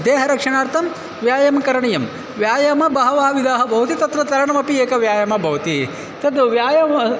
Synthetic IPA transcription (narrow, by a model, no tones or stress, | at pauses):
d̪eːɦɐɾɐkʂɐɳaːɾt̪ʰɐm | ʋjaːjɐmkɐɾɐɳɐjɐm | ʋjaːjɐmɐbɐɦɐʋaːɦɐʋid̪ʱaːɦɐbʱɐʋɐt̪it̪ɐt̪ɾɐt̪ɐɾɐɳɐmɐpieːkɐʋjaːjɐmɐbʱɐʋɐt̪i | t̪ɐd̪ʋjaːjɐmɐ